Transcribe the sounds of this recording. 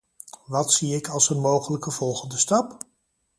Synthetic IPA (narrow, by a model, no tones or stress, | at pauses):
ʋɑtsiɪkɑlˠsənmowχələkəv̥ɔlˠχəndəstɑp